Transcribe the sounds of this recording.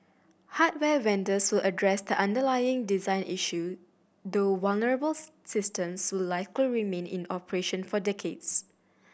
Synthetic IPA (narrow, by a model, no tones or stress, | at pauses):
hat̚wɛwɛ̃ndəswɪlʔədɹɛsdəʔãndəlajɪ̃ŋdizãɪ̃nʔiʃu | dowalnəɹəbəl | sɪstə̃mswɪllaɪkliɹimẽnḭ̃nɔpəɹeʃə̃nfɔdɛkʰeds